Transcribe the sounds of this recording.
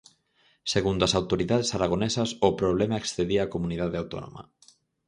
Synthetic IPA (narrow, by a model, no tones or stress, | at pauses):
seɣund̪asawt̪oɾiðað̞esaɾaɣ̞onesasopɾoβ̞lemaeksθeðiakomuniðaðeawt̪o̰no̰ma̰